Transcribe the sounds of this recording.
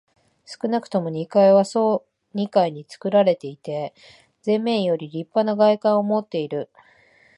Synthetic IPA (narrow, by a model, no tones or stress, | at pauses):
sɨ̥kɯ̟nakɯ̟̥t̪o̞mo̞ɲ̟ikaiβaso̞ː | ɲ̟ikaiɲ̟it͡sɨ̥kɯ̟ɾaɾe̞t̪e̞it̪e̞ | d͡zẽ̞mːẽ̞ɰ̃jo̞ɾʲiɾʲipːanaɡaikãɰ̃omo̞t̪ːe̞iɾɯ̟